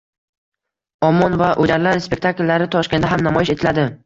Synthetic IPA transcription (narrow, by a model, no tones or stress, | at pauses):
ɒmːɒnvaʔod͡ʒaɾlaɾspe̞k̚ʲt̪ʰaklːaɾɪt̪ʰɒʃkʲe̞nd̪aɦamnamɒjɪʃe̞t̪ʰɪlad̪ɪ